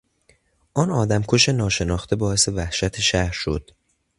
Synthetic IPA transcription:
ʔɒːnɒːd̪æmkʰoʃe̞nɒːʃe̞nɒːxt̪ʰe̞bɒːe̞se̞væhʃæt̪ʰeʃæhɾʃo̞̰d̪̥

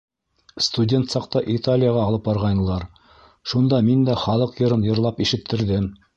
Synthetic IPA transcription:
st̪udʲe̞nt̪sɑqt̪ɑʔit̪alʲɪjəʁɑːlˠɤp̚bɑɾʁɑjnɤ̆lˠɑɾ | ʃund̪ɑmind̪æχɑlˠɤqjɤ̆ɾɤnjɤ̆ɾlˠɑpiʃɘ̆t̪ʰːɘ̆ɾðɘm

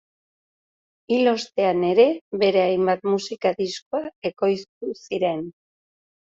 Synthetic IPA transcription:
ilo̞st̪e̞ane̞ɾe̞βe̞ɾe̞ajmbat̪̚musikaðiskoae̞ko̞jst̪usiɾe̞n

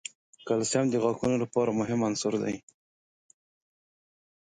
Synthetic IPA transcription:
kalsjɑmd̪əɣɑkunolapɑɾamʊɦɪmansʊɾd̪a̰j

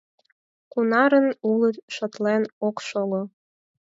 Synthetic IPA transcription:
kunɑɾənulət̪ʃət̪lenokʃolo

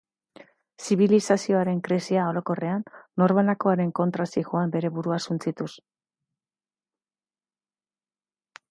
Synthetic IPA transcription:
siβilisasio̞aɾe̞ŋkɾesiao̞ɾo̞ko̞re̞anːo̞ɾβanako̞aɾe̞ŋko̞nt̪ɾasixoambe̞ɾe̞βuɾuasunt͡sit̪us

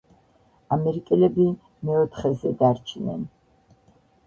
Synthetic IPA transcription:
amɛɾikʼɛlɛbi | mɛɔt̪ʰχɛzɛd̪aɾt͡ʃʰnɛ̰n

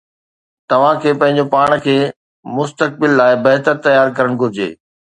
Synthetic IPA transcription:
t̪ɐʋ̤ãkʰeːpɐ̃ɦɪ̃ɲ̆d͡ʑopaːɽ̃kʰeː | mʊst̪ək̚bɪlːaːɪbɐɦt̪əɾt̪ɐjaːɾkɐɾəɽ̃ɡʱʊɾɪd͡ʑḛː

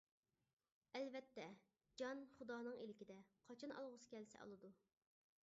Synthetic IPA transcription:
ɛlvɛt̪ːɛ | d͡ʒɑnχud̪ɑːnɨŋelɪkʲid̪ɛqʰɑt͡ʃʰɑnɑ̰lˠʁʊsɨ̥kʲɛlsɛ̰ʔɑ̰lˠɨd̪u

